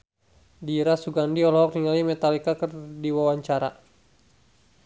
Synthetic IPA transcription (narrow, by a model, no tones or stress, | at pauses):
diɾasuɡandiɔlɔɦɔk̚niŋalimɛt̪alikakərdiwawaɲt͡ʃaɾa